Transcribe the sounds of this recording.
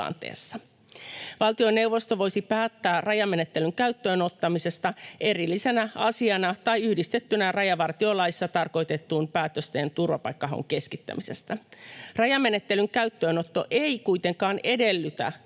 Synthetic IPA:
ɑ̰nt̪ḛːsːɑ | ʋɑlt̪ione̞wʋo̞st̪oʋo̞jsipæːt̪ːæːrɑjɑme̞net̪ːe̞lyŋkæyt̪ːøːno̞t̪ːɑmise̞st̪ɑʔe̞rilːise̞næɑsiɑnɑt̪ɑjyhdist̪et̪ːynærɑjɑʋɑrt̪iolɑjisːɑt̪ɑrko̞jt̪e̞t̪ːuːmpæːt̪øst̪eːnt̪urʋɑpɑ̰jkːɑɦo̰ŋke̞skit̪ːæ̰mise̞st̪ærɑjɑmːe̞net̪ːelyŋkæyt̪ːøːnot̪ːo̞̰ʔeikuit̪e̞ŋkɑːne̞de̞lːyt̪æ̰

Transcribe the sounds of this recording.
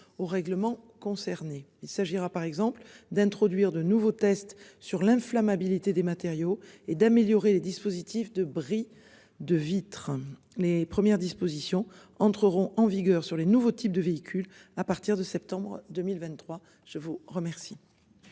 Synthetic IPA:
oʁɛɡləmɑ̃kɔ̃sɛʁneilsaʒiʁapaʁɛɡzɑ̃pld̪ɛ̃t̪χɔd̪ɥiʁd̪ənuvot̪ɛst̪syʁlɛ̃flamabilit̪ed̪emat̪eʁjoed̪ameljɔʁeled̪ispozit̪ifd̪əbʁi | d̪əvit̪χə | lepχəmjɛʁd̪ispozisjɔ̃ | ɑ̃t̪χəʁɔ̃ʔɑ̃viɡœʁsyʁlenuvot̪ʰip̚d̪əveikʲʰylapaʁt̪iʁd̪əsɛp̚t̪ɑ̃bʁəd̪əmilvɛ̃nt̪t̪ːχwa | ʒ̥əvuʁəmɛʁsi

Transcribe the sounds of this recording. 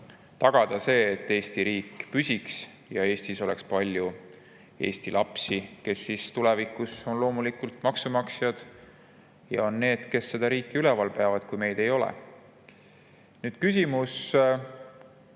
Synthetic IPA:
t̪ɑɡ̥ɑd̪̥ɑse̞ːet̪ːe̞ːst̪iɾiːkːˑpysʲiks | jɑe̞ːst̪iso̞lɛ̰kspɑlʲju | e̞̰ːst̪ilʔɑpsike̞sːist̪ulɛvikːˑuso̞nlo̞ːmulikult̪mɑksumɑksjɑd̪̥ | jɑ̰o̞nːe̞ːd̪̥ke̞sːe̞d̪̥ɑɾiːkːˑiylɛvɑlpe̞ɑvɑd̪̥kujme̞jd̪̥e̞jo̞lɛ̰ | nyːd̪̥kys̬ʲimus

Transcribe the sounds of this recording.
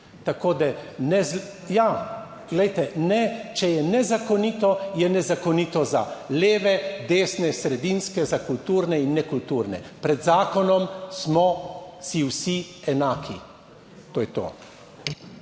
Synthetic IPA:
t̪akoːd̪anɛz | ja | ɡlɛjt̪ɛnɛt͡ʃɛjɛnɛzakɔniːt̪ɔjɛnɛzakɔnit̪ɔza̰leːʋɛd̪eːsnɛsɾɛd̪inskɛzakult̪uːɾnɛinːɛkult̪uːɾnɛ̰pɾɛd̪zaːkɔnɔmsmɔsiwsiɛnaːkʰi | t̪oːjɛt̪o̰ː

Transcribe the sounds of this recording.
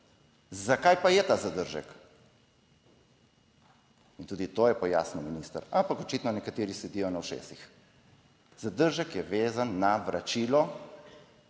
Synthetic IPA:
zakajpajɛt̪aːzad̪əɾʒə̰k | int̪uːd̪it̪ojɛpɔja̰ːsnɔminiːst̪ə̰ɾampakɔt͡ʃit̪nɔnɛkat̪eːɾisɛd̪ijɔnawʃḛsix | zad̪əɾʒəkjɛʋeːzanːaʋɾʔat͡ʃiːlɔ

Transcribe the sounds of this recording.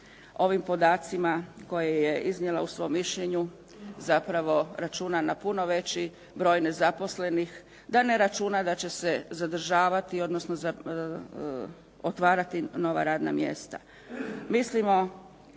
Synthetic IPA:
o̞ʋimpo̞d̪aːt̪simako̞jeje̞iznɲjelausʋo̞mːiʃʎeɲu | zapɾaʋo̞ɾat͡ʃuːnanapuno̞ʋe̞t͡ɕi | bɾo̞ːjne̞zapo̞sle̞nix | d̪ane̞ɾat͡ʃuːnad̪at͡ɕe̞se̞zad̪r̩ʒaːʋat̪io̞d̪no̞snoza | ot̪ʋaːɾat̪ino̞ʋa̰ɾaːd̪na̰mje̞̰st̪a̰ | mislimo̞

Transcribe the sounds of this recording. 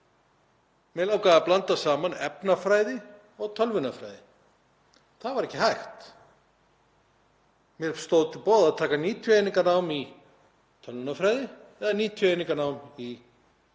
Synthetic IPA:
mɛlawkaːɣaplant̪asaːmanɛpnafɾaːjðɪ | ɔɣt̪ʰœlvʏnafɾa̰jðɪ | θaðvaɾɛhcːɪɦajxt̪ | mjɛɾst̪owðt̪ʰɪpɔːwðaðt̪ʰaːkaniːt̪ʰjʏejniŋkanaːwmi | t̪ʰœlvʏnafɾaːjðɪɛðaniːt̪ʰjʏejnĩŋkanaːwmi

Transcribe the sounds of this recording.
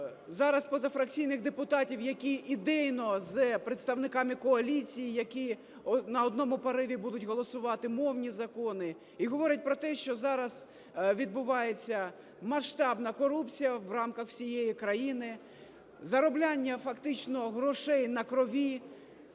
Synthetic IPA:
zɑɾɐspɔzɐfɾɐk̚t͡sʲijnɪxd̪epʊt̪ɑtʲiwjɐkʲiʔid̪ɛjnɔzpɾet̪st̪ɐwnɪkɑmɪkɔɐlʲit͡sʲijijɐkʲi | nɐɔd̪nɔmʊpɐɾɪʋʲibud̪ʊtʲɦɔlˠɔsʊʋɑt̪ɪmɔwnʲizɐkɔnɪ | iɦɔʋɔɾʲɐt̚ʲpɾɔt̪ɛʃt͡ʃɔzɑɾɐz | ʋʲid̪̚bʊʋɑjet͡sʲːɐ | mɐʃt̪ɑbnɐkɔɾupt͡sʲijɐʋrɑmkɐxsʲijejikɾɐjinɪ | zɐɾɔblʲanʲːɐfɐkt̪ɪt͡ʃnɔɦɾɔʃɛjnɐkɾɔʋʲi

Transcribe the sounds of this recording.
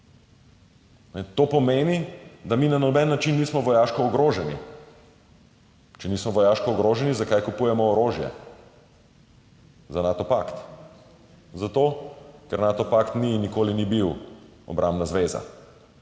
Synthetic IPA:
nɛt̪oːpɔmeːnid̪aminanɔbɛnːat͡ʃinːismɔʋɔjaʃkɔːɡɾoʒɛnḭ | t͡ʃɛniːsmɔʋɔjaːʃkɔːɡɾoːʒɛnizakajkupujɛmɔːɾoːʒjɛ̰ | zanat̪ɔpakt̪ | zat̪oːkɛɾnaːt̪ɔpakt̪ninikoːlinibiw | ɔ̰bɾʔambnazʋeza̰

